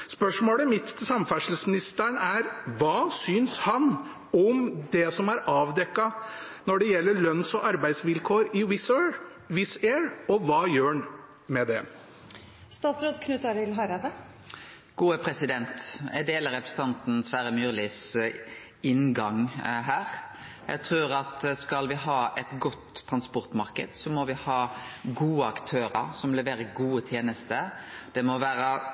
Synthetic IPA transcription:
spœʂmoːɽəmɪt̪ːt̪ʰɪlsɑmfæʂl̩smɪnɪst̪əɳæɾʋɑːsyːnshɑn | ɔmd̪ɛsɔmæɾɑːʋd̪ɛkːɑ | nɔɖɛjɛlːəɭœnsɔʔɑɾbæɪd̪sʋɪlkʰoːɾɪwɪ | ʋɪseːɹɔʋɑːjøːɳ | mɛd̪ɛ̰ | st̪ɑːt̪sɾoːd̪kʰnʉːt̪ɑɾɪlɦɑɾɑd̪ə | ɡ̥uːəpʰɾɛsɪd̪ɛnt̪ɛd̪eːləɾɛpɾəsət̪ɑnt̪n̩sʋæɾəmjyːɾlɪs | ɪnɡɑŋɦæːɾ | jæ̰ɡt̪ʰɾʉːɾɑt̪skɑlʋɪɦɑːʔɛt̪ɡɔt̪ʰːɾɑnspɔɾt̪mɑɾkəd̪sɔmɔʋɪhɑːɡuːəɑkt̪ʰøːɾəɾsɔmlɛʋeːɾəɡuːət̪ʰjeːnəst̪əd̪̥ɛmɔʋæːɾə

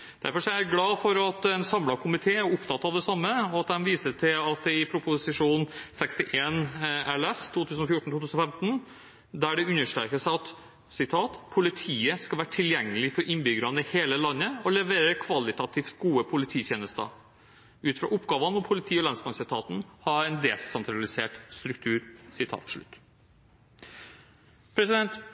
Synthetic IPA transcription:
d̪̥æ̰ɾfɔʂɔæɾɡlɑːfɔɾɑt̪ɛnsɑmlɑkʰʊmɪt̪ʰeːæʊpt̪ʰɑt̪ːɑʋd̪ɛsɑmːəɔɑt̪̚d̪ɛnʋiːsəʈʰɪlɑt̪̚d̪ɛɪpʰɾʊpʊsɪʂuːnsɛkst̪ɪʔeːnæɭɛst̪ʰuːt̪ʰʉːsn̩ɔfjʊʈɳ̩t̪ʰuːt̪ʉːsnɔfɛmt̪n̩ | d̪æɖɛʉnːəʂʈ̪ɾɛ̰ːkəʂæɪɑt̪ | sɪt̪ʰːɑːt̪pʰʊlɪt̪ʰiːəskɑlʋæːəʈʰɪljɛŋːəlɪfɔɾʔɪnbʏɡəɾɑnəheːləlɑnːəɔlɛʋeːɾəkʰʋɑlɪt̪ɑt̪ʰiːft̪ɡuːəpʰʊlɪt̪ʰiːt̪jeːnəst̪ə̰ | ʉːt̪fɾɑ̰ːʔʊpɡɑːʋɑnɔmpʰʊlɪt̪ʰiːɔlɑnsmɑnsɪt̪ʰɑːt̪n̩hɑɾɛnd̪ɛsɛnt̪ʰɾɑlɪsḛːʈst̪ɾʉk̚t̪ʰʉːɾsɪt̪ʰɑ̰ːt̪ʰʂɭʉ̰t̪ː | pʰɾɛsɪd̪ɛnt̪

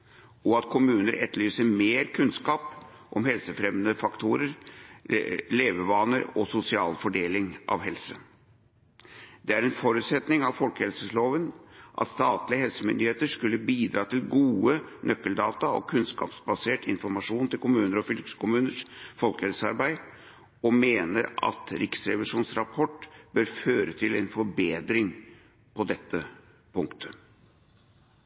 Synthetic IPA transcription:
ɔɑt̪kʰʊmʉːnəɾʔɛt̪lyːsəmeːɾkʰʉnskɑːp | ʔɔmɦɛlsəfɾɛmnəfɑkt̪ʰuːɾəɾ | leːʋəʋɑnəɾɔsʊsɪɑ̰ːlfɔɖeːlɪŋʔɑ̰ʋhɛlsə | d̪̥ɛæɾɛnfɔɾʉːt̪sɛt̪nɪŋɑʋfɔlkəhɛlsəsloːʋənʔɑ̰t̪st̪ɑːt̪lɪəɦɛlsəmʏ̰nd̪ɪheːt̪əʂkʉlːəbiːd̪ɾɑːt̪ɪlɡuːənœkːəld̪ɑːt̪ɑɔ̰kʰʉnskɑ̰ːpsbɑseːʈʰɪnfɔɾmɑʂuːnt̪ɪlkʊmʉːnəɾɔfʏlksə̥kʊmʉːnəʂfɔlkəhɛlsəɑ̰ɾbæɪ | ɔmeːnəɾɑ̰t̪ɾɪksɾɛʋɪʂuːnsɾɑpʰɔʈːb̥øɾføːɾət̪ʰɪlɛnfɔɾbeːd̪ɾɪŋ | pʰɔd̪ɛt̪ːə | pʰʊŋkt̪ʰə̥

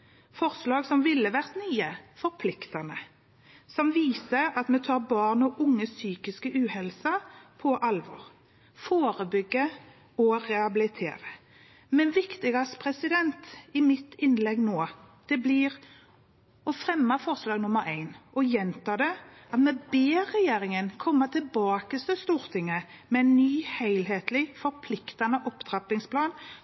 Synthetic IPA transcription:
fɔʁslɑːɡsɔmʋɪlːəʋæʁt̪nyːəfɔɾpʰlɪkt̪ɑnə | sɔmʋiːsəɑt̪mɛt̪ʰɑːʁbɑːʁnɔʔʊŋːəsyːkɪskəʔʉːhɛlsɑpʰɔʔɑlʋɔ̰ɾ | foːɾəbʏɡːə | ɔʁɛɑbɪlɪt̪ʰḛːɾə | mɛnʋɪkt̪ɪɡɑspʰʁɛsɪd̪ɛnt̪ɪmɪt̪ːɪnlɛɡnoː | d̪̥ɛblɪʁ | ɔfʁɛmːəfɔʁslɑːɡnʊmːəɾæɪnʔɔjɛnt̪ɑːd̪ɛʔɑt̪mɛbeːʁɛjeːɾɪŋənkʰɔmːət̪ʰɪlbɑːkəst̪ɪst̪uːɾt̪ʰɪŋːə | mɛɪnːyːhæɪlɦeːt̪lɪfɔɾpʰlɪkt̪ɑnəʔɔpd̪̥ɾɑpɪŋspʰlɑːn

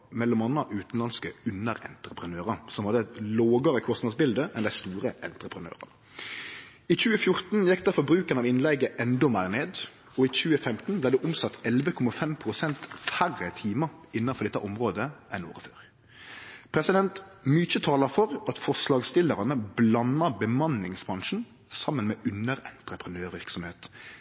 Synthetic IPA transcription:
mɛlːɔmɑnːɑʔʉːt̪n̩lɑnskəʉnəɾɛ̰nt̪ɾəpʰʁənøːʁɑsɔmhɑd̪ət̪loːɡɑɾəkʰɔsnɑd̪sbɪld̪əʔɛnd̪æɪst̪uːɾəʔɛnt̪ɾəpʰɾənø̰ːʁɑ̰nə | iːc͡çʉːəfjʊɾt̪n̩jɛkːd̪ɑfɔbɾʉːkənɑʋɪnlɛɡəʔɛnd̪ɔmæɪʁneːd̪ | ɔiːc͡çʉːəfɛmt̪n̩blæɪd̪ɛʔʊmsɑt̪ʰːɛlʋəkʰɔmɑfɛmpʰʁʊsɛnt̪færət̪ʰiːməɪnːɑfɔd̪ɛt̪ːəʔɔmʁoːd̪əʔɛno̰ːʁəføːɾ | pʰʁɛsɪd̪ɛnt̪myːt͡ʃət̪ʰɑːləfɔʁɑt̪fɔʁʂlɑːɡst̪ɪlːəʁɑnəblɑnːɑbəmɑnɪŋsbʁɑŋʂn̩ | sɑmːənmeːʔʉnəʁɛnt̪ʁəpʰʁənøːʁʋɪʁksɔmheːt̪

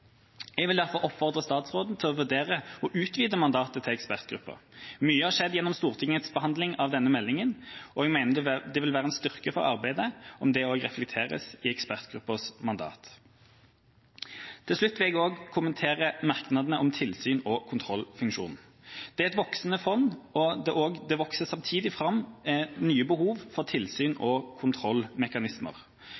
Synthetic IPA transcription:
jɛɡʋɪld̪æʁfɔɾɔpːfɔʁd̪ʁəst̪ɑːt̪sʁoːd̪n̩t̪ʰɪlɔʋʉd̪eːʁəɔʔʉːt̪ʋiːd̪əmɑnd̪ɑːt̪ət̪ʰɪɛkspæʁt̪̚ɡɾʉ̰pːə̰ʁmyːəhɑʁʂɛd̪jɛnːɔmst̪uːʁt̪ʰɪŋːət̪sbəhɑnd̪lɪŋɑʋd̪ɛnːəmɛlːɪŋənɔɛɡmæɪnəd̪d̪ɛʋɪlʋæːʁəɛnst̪ʏʁkəfɔ̰ʁɑ̰ʁbæɪd̪əʔɔmd̪ɛoːɡʁɛflɛk̚t̪ʰeːʁə̰sɪɛkspæʁt̪ɡ̥ɾʉpːəsmɑnd̪ɑ̰ːt̪ | t̪ʰɪlʂlʉt̪ːʋɪlɛɡoːɡkʰʊmənt̪ʰeːʁəmɑʁknɑd̪nəʔɔmt̪ʰɪlsyːnɔkʰʊnt̪ʰʁɔlfʉŋkʂṵːn̩ | d̪̥ɛæɛt̪ʋɔksnəfɔnɔd̪ɛʔoːɡd̪ɛʋɔksəsɑmt̪ʰiːd̪ɪfʁɑmːnyːəbəhuːʋfɔʁt̪ʰɪlsyːnɔkʰʊnt̪ʰʁɔlːmɛkɑnɪsmə̰ʁ

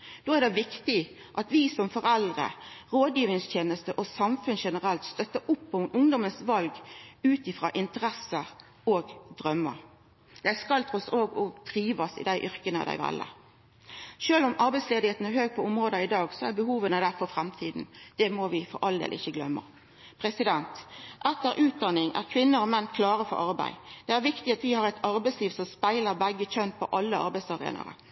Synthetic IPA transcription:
d̪oːæʁd̪ɛʋɪkt̪ɪ | ʔɑt̪ʋɪsɔmfɔɾɛld̪ʁə̰ʁoːd̪jiːʋɾɪŋst̪ʰjeːnəst̪əʔɔsɑmfʉnʃɛnəʁɛlt̪st̪œt̪ːəɾʊpːɔmʔʊŋd̪ɔmənsʋɑlɡʉːt̪ɪfɾɑ̰ːʔɪnt̪əɾɛsəɾ | oːɡd̪ʁœmːə̰ | d̪ɛæskɑlt̪ʰɔsoːɡɔd̪̥ʁiːʋɑsɪ̰d̪æɪʔʏʁkənə̰d̪æ̰ɪʋɛ̰lːə̰ | ʃøːlʊmɑɾbæɪsleːd̪ɪheːt̪n̩æɾɦøːɡ̚pʰɔʊmʁoːd̪əɪd̪ɑːɡsɔæɾbəɦuːʋənəd̪æɾfɔfʁæmt̪ʰiːd̪n̩d̪̥ɛmɔʋɪfɔɾʔɑld̪ḛːlʔɪ̰çːəɡlœmːə̰ | pʰɾɛsɪd̪ɛnt̪ʔɛt̪ːəɾʔʉːt̪̚d̪ɑnːɪŋʔæ̰ʁkʰʋɪnːəɾɔmɛnːkʰlɑːʁəfɔ̰ɾʔɑɾbæ̰ɪd̪̥ɛæɾʋɪkt̪ɪɑt̪ʋɪhɑɾæɪt̪ʰɑɾbæɪsliːʋsɔmspæɪləʁbæɡːəc͡çœnt̪̚pʰɔʔɑlːəɑ̰ɾbæɪsɑʁḛːnɑ̰ɾə̰

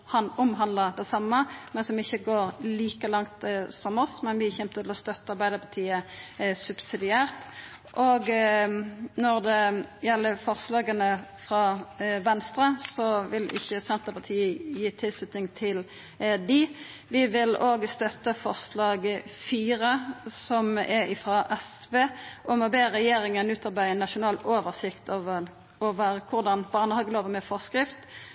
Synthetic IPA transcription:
hɑʊmɦɑnd̪ləd̪ɛsɑmːəmɛnsɔmɪçːəɡoːɾliːkəlɑŋt̪sɔmɔsmɛnʋɪçɛmt̪ət̪ʰɪlɔst̪œt̪ːəɑɾbæɪd̪əpʰɑt̪ʰiːəsʉbsɪd̪ɪæːʁt̪ | ʔoːɡ | nɔʁd̪ɛjɛlːəfɔʁslɑːɡənəfʁɑʋɛnst̪ɾəsɔʋɪlɪ̰çːəsɛnt̪əpʰɑt̪ʰiːəjiːt̪ʰɪlslʉt̪nɪŋt̪ʰɪl | d̪ɪ | ʋɪʋɪloːɡst̪œt̪ːəfɔʁslɑːɡəfiːɾəsɔmɛɪfɾɑʔɛsʋeːʔɔmɔbeːʁɛjeːɾɪŋənʉːt̪ʰɑʁbæɪənːɑʃʊnɑːloːʋəʁsɪkt̪ʰoːʋəʁ | ɔʋæːʁəkʰʊʁd̪ɑnb̥ɑːʁnəhɑɡloːʋəmɛfɔʁskɾɪft̪

